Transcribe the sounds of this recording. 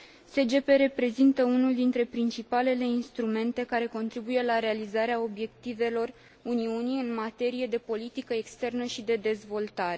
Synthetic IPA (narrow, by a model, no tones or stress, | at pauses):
se̞d͡ʒe̞pe̞ɾe̞pɾe̞zint̪əunuld̪int̪ɾe̞pɾint͡ʃipale̞le̞inst̪ɾume̞nt̪e̞kaɾe̞ko̞nt̪ɾibuje̞laɾe̞alizaɾeao̞bje̞kt̪ive̞lo̞r | uniuniɨnmat̪e̞ɾije̞d̪e̞po̞lit̪ikəekst̪e̞rnəʃid̪e̞d̪e̞zvo̞lt̪aɾe̞